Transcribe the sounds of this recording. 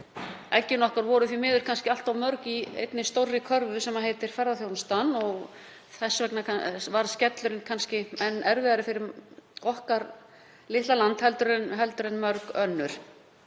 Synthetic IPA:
ɛcːɪnɔhkaɾvɔɾʏθvimɪːðʏɾ̥kʰanscɪal̥t̪awmœɾkiḛjt̪nɪst̪owrːɪkʰœɾvʏsɛmːaðɦejt̪ɪɾ̥fɛɾðaθjownst̪anːɔɣ | θɛsvɛknakvaɾscɛt̪lʏɾɪnkʰanscɪɛnːɛɾvɪːðaɾɪfɪɾɪɾɔhkaɾ | lɪht̪alant̪hɛlt̪ʏɾnɦɛlt̪ʏɾɛnmœɾkœnːʏɾ̥

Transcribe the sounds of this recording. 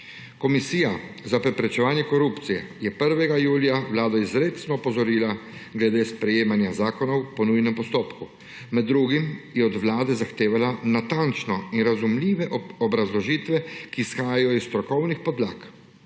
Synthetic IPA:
kɔmisiːjazapɾɛpɾɛt͡ʃɛʋaːnjɛkɔɾupt̪sijɛ̰jɛpəɾʋɛɡajuːlijawlaːd̪aizɾeːt̪snɔːpɔzɔɾiːlaɡlɛd̪eːspɾɛjeːmanjazaːkɔnɔwpɔnujnɛmpɔst̪oːpku | mɛd̪ːɾuːɡimjɛɔd̪ʋlaːd̪ɛzaxt̪eːʋalanat̪ant͡ʃnɔinɾazumliːʋɛɔbɾazlɔʒiːt̪ʋɛkiːsxaːjajɔisst̪ɾɔkɔwnixpɔd̪laːk

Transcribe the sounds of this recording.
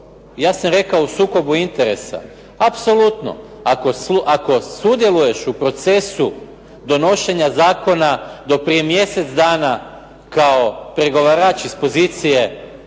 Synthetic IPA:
jaːsamɾe̞kaousuːko̞buint̪e̞ɾe̞̰sa̰ | apso̞lut̪no̞̰ | ako̞suʔako̞sud̪je̞luje̞ʃupɾo̞t̪se̞su | d̪o̞no̞ʃe̞ɲazaːko̞nad̪o̞pɾije̞mje̞se̞t̪sd̪aːna | kao̞pɾe̞ɡo̞ʋaːɾaːt͡ʃispo̞ziːt̪sije̞

